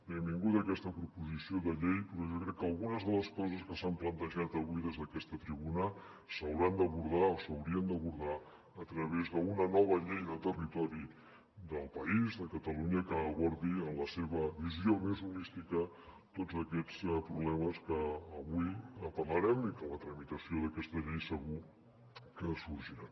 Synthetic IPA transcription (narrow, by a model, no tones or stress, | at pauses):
ɛmbiŋɡut̪əkɛst̪əpɾupuzisioðəʎejpɾɔʒɔkɾɛkːəlˠɣunəzð̞ələskɔzəskəsamplənt̪əʒat̪əβuiðezðəkɛst̪ət̪ɾiβunə | səwɾand̪əβuɾðaosəwɾiənd̪əβuɾðaː | t̪ɾəβezðəunənɔβ̞əʎejðət̪ərit̪ɔɾi | d̪əlˠpəizðəkət̪əluɲəkəːβɔɾðiənləseβəβiziomezunist̪ikə | t̪ozəkɛt͡spɾuβlɛməskəːβuiəpərləɾɛmikələt̪ɾəmit̪əsioðəkɛst̪əʎejsəɣu | kəsuɾʒiɾa